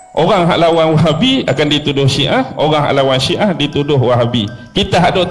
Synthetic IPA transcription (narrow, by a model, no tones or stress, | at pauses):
ʔoɾaŋɦa̰ʔlawanwaɦabia̰kandit̪udʊhʃiʔahoɣaŋɦa̰ʔlawanʃiʔahdit̪udʊɦwaɦabikit̪aɦaʔdoʔ̪